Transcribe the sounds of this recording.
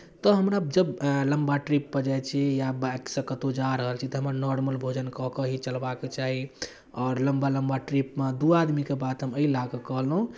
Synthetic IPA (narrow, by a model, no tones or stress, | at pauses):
t̪ɔɦəmɾad͡ʒəbləmbaʈɾipːəd͡ʒajt͡ʃʰɛjabeksəkət̪od͡ʒaɾəɦəlt͡ʃʰit̪ɔɦəməɾnɔɾməlbʱod͡ʒənkɔkəɦit͡ʃəlbaket͡ʃaɦi | ɔːɾləmbaləmbaʈɾipmad̪uad̪mikebat̪ɦəməilaɡekəɦlɦũ